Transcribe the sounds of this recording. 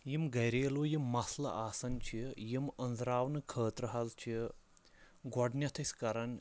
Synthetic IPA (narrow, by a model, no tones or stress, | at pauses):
jimɡɐjɾeːlujimːɐslɐ̰ʔaːsɐnʲt͡ʃʰijimɐnzɾaːwnɨkʰəːt̪ɾɐɦɐzt͡ʃʰi | ɡɔɖnʲjɐt̪ʰɐsʲkɐɾɐn